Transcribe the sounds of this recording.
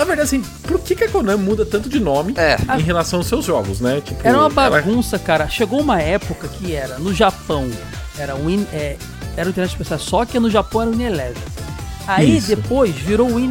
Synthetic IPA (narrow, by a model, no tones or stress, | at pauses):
nɐveɾd̪ad͡ʒaɐsĩ | poɾkɪkɪɐkonɐ̃mud̪ɐt̪ɐ̃nt̪ʊd͡ʒɪnõmɪɛaẽɦelasɐ̃w̃ɐawsewzʒɔɡʊsnɛt͡ʃi̥pʊɛɾɐũmɐbaɡũsɐkaɾɐʃeɡowũmɐɛpʊkɐkʰɪɛɾɐnʊʒapɐ̃w̃ | ɛɾɐũĩnɛ | ɛɾɐ̃ũt̪eɾnɛt͡ʃɪspesiasɔkɛnʊʒapɐ̃w̃ɛɾɐ̃ĩnelɛviaid̪epojzviɾowĩn